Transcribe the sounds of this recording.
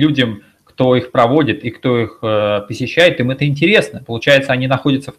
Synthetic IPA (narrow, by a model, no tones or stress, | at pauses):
lʲudʲəm | kt̪o̞ixpɾɐvo̞dʲɪt̪ɪkt̪o̞ixəpəsʲɪɕːæjɪt̪imɛt̪əɪnʲtʲɪɾʲe̞snəpəlˠʊt͡ɕæjɪt̪səɐnʲinɐxo̞dʲɪt̪səf